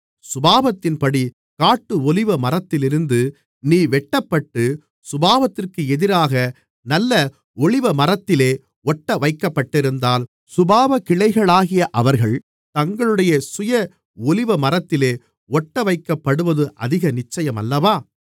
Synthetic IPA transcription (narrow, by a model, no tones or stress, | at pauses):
sʊbaːʋɐt̪ːɪnpɐɽi | kaːʈːɯɔlɪʋɐmɐrɐt̪ːɪlɪɾɯnd̪ɯ | niːʋɛʈːɐpːɐʈːɯ | sʊbaːʋɐt̪ːɪrkɯɛðɪɾaːɣɐ | nɐlːɐ | ɔɭɪʋɐmɐrɐt̪ːɪleː | ʔɔʈːɐʋɐɪkːɐpːɐʈːɪɾɯnd̪aːl | sʊbaːʋɐkːɪɭɐɪɣɐɭaːɣɪjɐʔɐʋɐɾɣɐɭ | t̪ɐŋɡɐɭɯɽɐjɐsʊjɐ | ɔɭɪʋɐmɐrɐt̪ːɪleː | ɔʈːɐʋɐɪkːɐpːɐɽɯʋɐðɯʔɐðɪɣɐnɪt͡ʃːɐjɐmɐlːɐʋaː